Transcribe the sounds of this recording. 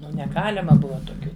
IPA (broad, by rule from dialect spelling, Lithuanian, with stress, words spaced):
ˈnʊ nʲɛˈɡɑːlʲɪmɐ ˈbʊʋɐ toːˈkʲuː